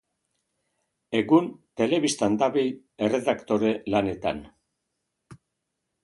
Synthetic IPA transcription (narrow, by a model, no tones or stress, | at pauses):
e̞ɣunt̪e̞le̞βist̪and̪aβij | ere̞ðakt̪o̞ɾe̞lane̞t̪a̰n